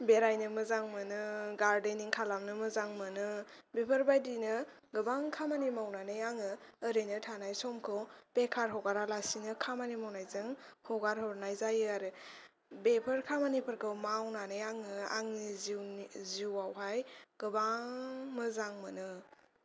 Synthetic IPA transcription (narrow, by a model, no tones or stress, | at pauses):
beɾajnɯmɯzaŋmɯnɯɡaɾdeniŋkʰalamnɯmɯzaŋmɯnɯ | bipʰəɾbajdinɯ | ɡɯbaŋkʰamanimawnanɯjaŋɯːɾenɯtʰanajsɔmkʰɯwpekʰaɾɦɔwɡaɾalasinɯkʰamanimawnajzɯŋhɔwɡaɾɦɔɾnajzajɯaɾɯ | bepʰɯɾkʰamanipʰɯɾkʰɯwmawnanɯjaŋɯa̰ŋniziziwawɦajɡ̥ɯbaŋmɯzaŋmɯnɯ